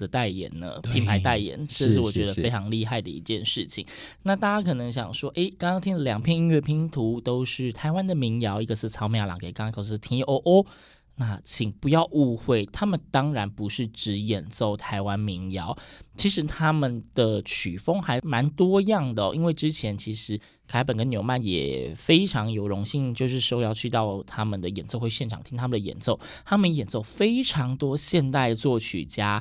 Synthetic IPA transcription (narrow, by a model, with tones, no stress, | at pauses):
d̪ə˨˩t̪a˥˩ɪjɛ̰˨˩nə̰˦pʰi˧˥ŋpʰa˧˥ɪt̪a˥˩ɪjɛ̰˨˩˦nʂ̩˥˩˧ʂɻ̩˥˩wɔ˨˩t͡ɕɥɛ˧˦˥ə˧˨˧fe˥ɪʈ͡ʂʰɑ˧˥ŋli˥˧xa˥˩ɪd̪ə˩ḭ˧˥t͡ɕjɛ˥˧nʂɻ̩˥˩t͡ɕʰḭ˨˩˦ŋna˥˧t̪a˥˩t͡ɕa˥kʰɤ˨˩nɤ˧˥ŋɕ̬jɑ̰˨˩ŋʂwɔ˥ʔe˥˩ɪkɑ˥ŋɑ˥ŋt̪ʰi˥ŋd̪ə˨ljɑ˨˩ŋpʰjɛ˥˧ni˧˥nɥɛ˥˩pʰi˧˥ŋt̪ʰu˧˥t̪o˥ʊʂɻ̩˥˩t̪ʰa˧˥ɪwa˥nd̪ə˨mi˧˥ŋjɑ˧˥ʊi˧˥ɡə˨ʂɻ̩˥˩t͡sʰɑ˧˥ʊmjɑ˥˩lɑ̰˨˩ŋke˨˩ɪkɑ˥ŋkʰo˧ʊs̩˥˧t̪ʰi˥ŋ˧ʔo˥˩ʔo˥˩ | na˥˩t͡ɕʰi˨˩ŋpu˧˥jɑ˥˧ʊʔu˥˧xwe˥˩ɪt̪ʰa˥mə˨nt̪ɑ˥ŋɻa˧˦npu˨˧˦ʂɻ̩˥˩ʈ͡ʂɻ̩˧˥jɛ˨˩nso˥˩ʊt̪ʰa˧˥ɪwa˦nmi˧˥ŋjɑ˧˥ʊt͡ɕʰi˧˥ʂɻ̩˧˥t̪ʰa˥mə˨nd̪̥ə˨˩t͡ɕʰy˨˩fo˥ŋxa˧˥ɪma˧˥nt̪wɔ˥jɑ˥˩ŋd̪ə˨˩ʔḭ˥nwe˥˩ɪʈ͡ʂɻ̩˥t͡ɕʰjɛ˧˥nt͡ɕʰi˧˥ʂɻ̩˧˥ | kʰa˧˥ɪp̬ə˨˩nkə˦njo˧ʊma˥˩njɛ̰˨˩fe˥ɪʈ͡ʂʰɑ˧˥ŋjo˨˩ʊɻʊ˧˥ŋɕi˥˧ŋt͡ɕjo˥˧ʊʂɻ̩˥˩ʂo˥ʊjɑ˥˧ʊt͡ɕʰy˥˧t̪ɑ˥˩ʊt̪ʰa˥mə˨nd̪ə˩jɛ˨˩nso˥˧ʊxwe˥˧ɪɕjɛ˥˩nʈ͡ʂʰɑ˨˩ŋt̪ʰi˥ŋt̪ʰa˥mə˨nd̪ə˩jɛ̰˨˩nso˥˩ʊ | t̪ʰa˥mə˨njɛ˨˩nso˥˩ʊfe˥ɪʈ͡ʂʰɑ˧˥ŋt̪wɔ˥ɕjɛ˥˧nt̪a˥˧ɪt͡swɔ˥˩t͡ɕʰy̰˨˩t͡ɕja˥